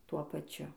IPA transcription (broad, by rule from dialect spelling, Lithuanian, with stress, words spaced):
ˈtuɔ pɐˈt͡ʃʲʊ